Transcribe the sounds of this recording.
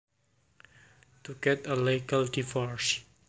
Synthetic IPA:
t̪uɡɛtəlekaldifɔɹs

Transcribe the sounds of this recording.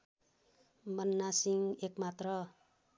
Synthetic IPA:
bʌnːasiŋekmat̪rʌ

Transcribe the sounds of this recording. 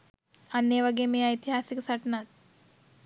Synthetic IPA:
ɐnːeʋɐɡejmeːɐjt̪iɦaːsiksɐʈnat̪̚

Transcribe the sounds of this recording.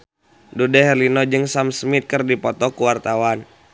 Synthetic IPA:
dudɛɦɛrlinɔd͡ʒɨŋsamsmit̪̚kɨrdipɔt̪ɔkuwart̪awan

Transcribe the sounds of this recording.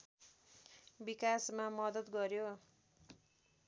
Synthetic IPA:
bikasmamʌd̪ʌt̪ɡʌɾjo

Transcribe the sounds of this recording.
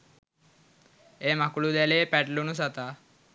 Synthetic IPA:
emakuɭud̪ɛlepɛʈlunusat̪a

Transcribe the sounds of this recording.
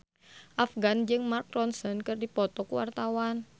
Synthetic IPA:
ʔafɡand͡ʒɨŋmark̚ɾɔnsɔnkɨrdipɔt̪ɔkuwa̰rt̪awan

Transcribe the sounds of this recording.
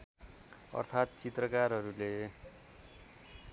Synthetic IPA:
ʌ̰rt̪ʰat̪̚t͡sit̪rʌkarɦʌɾule

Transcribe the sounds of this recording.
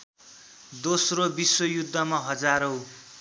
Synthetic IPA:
d̪osrobiswʌjud̪ʱːʌmaɦʌd͡zaɾow

